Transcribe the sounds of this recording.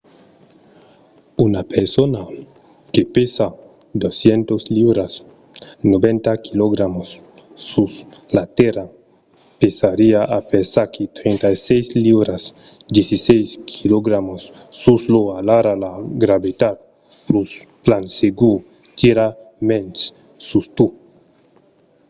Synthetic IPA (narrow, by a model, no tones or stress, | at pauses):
unapeɾsona | kepesa | d̪osjent̪osliβɾas | nobent̪akʰiloɣɾamosː | uslat̪eɾa | pesaɾiaʔapesaɾket̪ɾent̪ajsejsliβɾas | d̪jesisejskʰiloɡɾamosː | usloalaɾalaɡɾaβit̪at̪̚ | plus | planseɡu | t̪iɾamens | sust̪u